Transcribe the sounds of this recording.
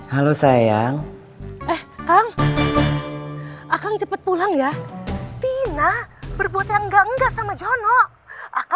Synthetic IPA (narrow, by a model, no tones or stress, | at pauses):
halosajaŋ | ʔɛhkaŋ | akaŋt͡ʃəpət̪̚pulaŋjat̪inabərbuat̪jaŋŋɡaəŋɡaʔsamad͡ʒɔnɔ | ak